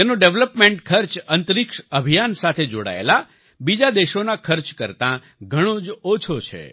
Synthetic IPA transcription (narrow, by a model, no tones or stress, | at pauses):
enõɖeʋləpmẽɳʈkʰəɾt͡ʃənt̪əɾikʃəbʱijansat̪ʰed͡ʒoɽa̰ḛla | bid͡ʒad̪eʃonakʰəɾt͡ʃkəɾt̪ã | ɡʱəɽ̃õd͡ʒot͡ʃʰot͡ʃʰḛ